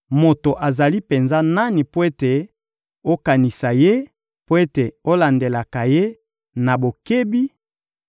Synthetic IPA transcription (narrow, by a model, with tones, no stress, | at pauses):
mo˨to˨ʔa˨za˨li˦pe˨nza˦na˦ni˨po˦e˦te˨ | o˦ka˨ni˨sa˨je˦ | po˦e˦te˨o˦la˨nde˨la˨ka˨je˦ | na˨bo˨ke˦bi˦